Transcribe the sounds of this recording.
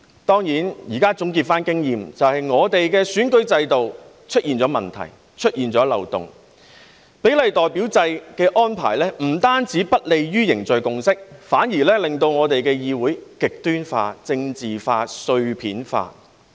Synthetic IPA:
t̪ɔː˥ŋjiː˨˥njiː˨˩kaː˥t͡sʊ˨˥ŋk̬iː˧t̚faː˥nkɪ˥ŋjiː˨mt͡sɐ˨whɐ˨jŋɔː˨˧t̪e˨jkɛː˧syː˨˥nkɵ˥ɥt͡sɐ˧jt̪o˨w | t͡ʃʰɵ˥t̚jiː˨˩nt͡sɔː˨˥mɐ˨nt̪ʰɐ̰˨˩j | t͡ʃʰɵ˥t̚jiː˨˩nt͡ʃɔː˨˥lɐ̰˨wt̪ʊ̰˨ŋ | pe˨˥jlɐ˨jt̪ɔː˨˩jpiː˨˥wt͡sɐ˧jkɛː˧ʔɔː˥npʰa̰ː˨˩jlɛː˥m̩˨˩t̪aː˥nt͡siː˨˥pɐ˥t̚le˨jjyː˥jɪ˨˩ŋt͡sɵ˨ɥkʊ˧ŋsɪ˥k̚faː˨˥njiː˨˩lɛː˥lɪ˨ŋt̪o˧wŋɔː˨˧t̪e˨jkɛː˧jiː˧wuː˨˥jkɪ˨k̚t̪yː˥nfa̰ː˧t͡sɪ˧ŋt͡siː˨faː˧sɵ˧ɥpʰiː˨˥nfa̰ː˧

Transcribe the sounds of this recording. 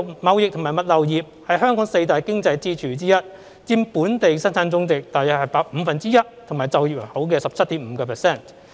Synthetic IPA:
mɐ˨˧wjɪ˨k̚t̪ʰʊ˨˩ŋmaː˨˩mɐ˨t̚lɐ˨wjiː˨˩p̚hɐ˨jɦœː˥ŋkɔː˨˥ŋse˧jt̪aː˨jkɪ˥ŋt͡sɐ˧jt͡siː˥t͡ʃʰyː˨˩t͡siː˥jɐ˥t̚ | t͡siː˧npuː˨˥nt̪e˨jsɐ˥nt͡sʰaː˨˥nt͡sʊ˥ŋt͡sɪ˨k̚t̪aː˨˩jɐ˨t̚hɐ˨˩jpaː˧k̚m̩ː˨˧fɐ˨nt͡siː˥jɐ˥t̚t̪ʰmaː˨˩jt͡sɐ˨˧wjiː˨˩p̚ho˨˥wk̬ɛː˧sɐ˨p̚t͡sʰɐ˥t̚t̪iː˨˥m̩˨˧kɔː˧pʰɛː˨sɛː˥˩n

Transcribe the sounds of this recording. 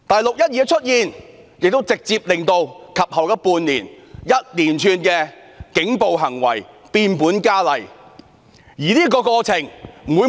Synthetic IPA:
t̪ɐ˨jlʊ˨k̚jɐ˥t̚jɛː˨˧t͡ʃʰɵ˥t̚jiː˨˧n | jɪ˨k̚t̪o˥wt͡sɪ˨k̚t͡siː˧p̚lɪ˨ŋt̪o˧wkʰɐ˨p̚hɐ˨˩wjɐ˥puː˧nliː˨˩njɐ˥t̚liː˨˩nt͡ʃʰyː˧nkɛː˧ | kɪ˨˥ŋpo˨wɦɐ˨˩ŋwɐ̰˨˩j | piː˧npuː˨˥nkaː˥lɐ˨j | jiː˨˩liː˥k̬ɔː˧kɔː˧t͡sʰɪ˨˩ŋmuː˨˧˥

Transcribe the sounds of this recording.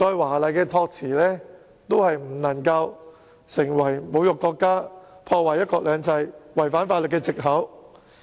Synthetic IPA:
t͡ʃɔː˧jwaː˨˩lɐ˨jkɛː˧t̪ʰɔː˧k̚t͡sʰiː˨˩lɛː˥ | t̪o˥whɐ˨jm̩˨˩nɐ˨˩ŋkɐ˧w | sɪ˨˩ŋwɐ˨˩jmo˨˧wjʊ˨kːɔː˧kːaː˥pʰɔː˧waː˨˩jːɐ˥t̚kɔː˧k̚lœː˨˧ŋt͡sɐ˧jwɐ˨˩jfaː˨˥nfaː˧tlɵ˨tkːɛː˧t͡sɪ˨k̚ɦɐ˨˥w

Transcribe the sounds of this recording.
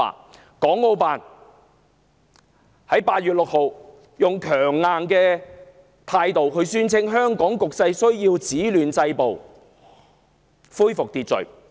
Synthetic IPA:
a̰ː˨ | kɔː˨˥ŋːo˧wpaː˨n | hɐ˨˥jpaː˧t̚ɥyː˨t̚lʊ˨k̚ho˨w | jʊ˨ŋkʰœː˨˩ŋːaː˨˧nkɛː˧ | t̪ʰaː˧jt̪o˨wɦɵ˧ɥsyː˥nt͡sʰɪ˥ŋɦœː˥ŋkɔː˨˥ŋkʊ˨k̚sɐ˧jsɵ˥ɥjiː˧wt͡siː˨˥lyː˨nt͡sɐ˧jpo˨w | fuː˥jfʊ˨k̚t̪iː˨t̚t͡sɵ̰˨ɥ

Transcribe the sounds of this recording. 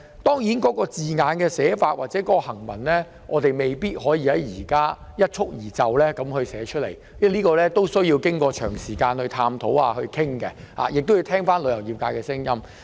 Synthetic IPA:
t̪ɔː˥ŋjiː˨˥nkɔː˨˥kɔː˧t͡siː˨ŋaː˨˧nkɛː˧sɛː˨˥faː˧t̚wʔaː˨t͡sɛː˨˦˥kɔː˧˥ɔ˧hɐ˨˩ŋmɐ˨˩nlɛ˥ | ʔɔː˨˧t̪e˨jme˨jpiː˥t̚ɦɔː˨˥jiː˧hɐ˨˥jːiː˨˩kaː˥jɐ˥t̚t͡sʰʊ˥k̚jiː˨˩t͡sɐ˨wlɛː˥kɐ˨˥mhɵ˧ɥsɛː˨˥t͡ʃʰɵ˥t̚le˨˩j | ɛ˥liː˥kɔː˧lɛː˥t̪o˥wsɵ˥jiː˧wkɪ˥ŋkɔː˧t͡ʃʰœː˨˩ŋsiː˨˩kaː˧nhɵ˧t̪ʰaː˧mt̪ʰo˨˥waː˧hɵ˧ɥkʰɪ˥ŋkɛ˧ | ha̰ː˨jɪ˨k̚t̪o˥wji˧wt̪ʰɛː˥ŋfaː˥nlɵ˨˧ɥjɐ˨˩wjiː˨p̚kaː˧jkɛː˧sɪ˥ŋjɐ˥m

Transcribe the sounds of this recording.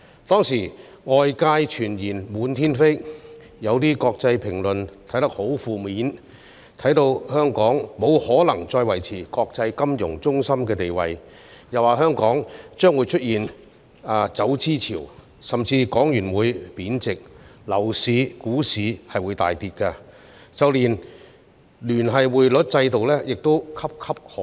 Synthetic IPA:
t̪ɔː˥ŋsiː˨˩ | ŋɔː˧jkaː˧jt͡ʃʰyː˨˩njiː˨˩nmuː˨˥nt̪ʰiː˥nfe˥j | jɐ˨˧wt̪iː˥kɔː˧k̚t͡sɐ˧jpʰɪ˨˩ŋlɵ˨˩nt̪ʰjt̪ɐ˥k̚ho˨˥wfuː˨˧miː˨˥n | t̪ʰɐ˨˥jt̪o˧whœː˥ŋkɔː˨˥ŋmo˨˧whɔː˨˥lɐ˨˩ŋt͡sɔː˧jwɐ˨˩jt͡sʰiː˨˩kɔː˧k̚t͡sɐ˧jkɐ˥mjʊ˨˩ŋt͡sʊ˥ŋsɐ˥mkɛː˧t̪e˨jwɐ̰˨j | jɐ˨waː˨˩ɦœː˥ŋkɔː˨˥ŋt͡ʃœː˥ŋwu˨˧jt͡ʃʰɵ˥t̚jiː˨n | aː˨˧t͡sɐ˨˥wt͡siː˥t͡sʰḭː˨˩w | sɐ˨mt͡siː˧kɔː˨˥ŋjyː˨˩nwuː˨˧jpiː˨˥nt͡sɪ˨k̚lɐ˨˩wsiː˨˧kuː˨˥siː˨˧hɐ˨jwuː˨˧jt̪a̰ː˨jt̪iː˧t̚kɐ˧ | t͡sɐ˨˧wliː˨˩n | lyː˨˩nɦɐ˨jwuː˨jlɵ˨˥t̚t͡sɐ˧jt̪o˨wlɛː˥jɪ˨k̚t̪o˥wkʰɐ˥p̚kʰɐ˥p̚hɔ˨

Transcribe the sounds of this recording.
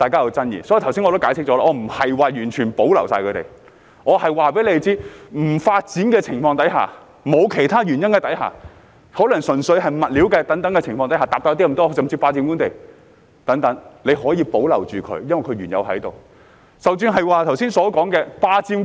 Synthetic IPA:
t̪aː˨jkaː˥jɐ˧wt͡sɐ˥njḭː˨sɔ˨˦ji˨t̪ʰsiː˥nɔ˧t̪o˥kaː˨˥jsʰɪ˥k̚t͡sɔː˨˧˥aː˥ʔɔː˨˧m̩˨˩hɐ˨jwaː˨ɥyː˨˩nt͡ʃʰyː˨˩npo˨˥wlɐ̰˨˩wsaː˧kʰɵ˨˧t̪ḛ˨j | ŋɔː˨˧hɐ˨jwaː˨p̬e˨˥le˧e˨t͡siː˥m̩˨˩faː˧t̚t͡siː˨˥nkɛː˧t͡sʰɪ˨˩ŋfɔː˧ŋt̪ɐ˨˥jɦa̰ː˨ | mo˨˧wkʰe˨˩jt̪ʰaː˥ɥyː˨˩njɐ˥nkɛ˧t̪ɐ˨˥jha̰ː˨˩ | hoː˨˥lɐ˨˩ŋsɵ˨˩nsɵ˨˧ɥɐ˨jmɐ˨t̚li˨˥wkɛː˧t̪ɐ˨˥ŋt̪ɐ˨˥ŋkɛ˧t͡sʰɪ˨˩ŋfɔː˧t̪ɐ˨˥haː˨˩t̪aː˨p̚t̪ːt̪i˥˨˩t̪ɔː˥˧sɐ˨mt͡siː˧paː˧t͡siː˧mku˥nt̪e˨˩j | t̪ɐ˨˥ŋt̪ɐ˨˧˥ŋle˨˧jhɔː˨˥jiː˧po˨˥wlɐ̰˨˩wt͡ʃyː˨kʰɵ̰˨˧˥jɐ˥nwɐ˨˩kʰɵ˧ɥyː˨˩njɐ̰˨˧wɦɐ̰˨˥jt̪o˨w | sɐ˨wt͡ʃyː˧nɦɐ˨jwaː˨˧t̪ʰɐ˨˩wsiː˥nsɔː˨˥kɔː˨˥ŋkɛː˧paː˧t͡siː˧m

